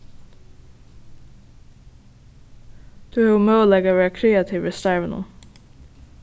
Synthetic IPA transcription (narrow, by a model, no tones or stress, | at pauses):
d̪̥ʉːæːʊmeːoːlɛɡəʋæːɑkʰɾeːɑt̪ʰɪʋɹəst̪æɹʋənə̰